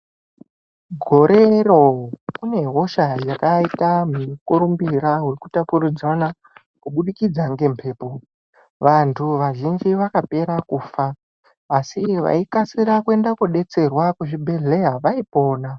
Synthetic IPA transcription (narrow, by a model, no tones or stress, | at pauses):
ɡʱo̞ɾe̞ro̞kune̞ɦo̞ʃajakaitamuukuɾumbiɾaɦurikutapurud͡zana | kuɓuɗikid͡zaŋɡe̞mpʰe̞ːpo̞ | ʋantʰuʋaʒind͡ʒiʋakape̞ɾakuːfaː | siʋa̰ikasiɾakue̞ndakuɗe̞t͡se̞rwakuʐibʱe̞ɮe̞ɦaʋaipoːna